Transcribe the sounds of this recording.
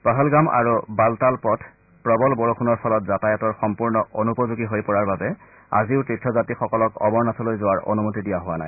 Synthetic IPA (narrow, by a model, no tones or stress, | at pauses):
paɦɔlɡama̰ɹubaltalpɔtʰ | pɹɔbɔlbɔɹoxunɔɹpʰɔlɔtzatajɔtɔɹxɔmpuɹnɔʔonupɔzuɡiɦojpɔɹaɹbabɛ | a̰ziʊtɹitʰɹɔzatixɔkɔlɔkɔ̰bɔɹnatʰɔlojzʊwaɹʔo̰numotidijaɦʊwana̰j